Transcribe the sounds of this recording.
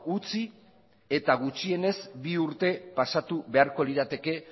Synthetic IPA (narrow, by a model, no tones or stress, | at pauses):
ut͡si | e̞t̪aɣ̞ut͡ʃie̞ne̞zbiuɾt̪e̞pasat̪uβe̞aɾko̞liðat̪e̞ke̞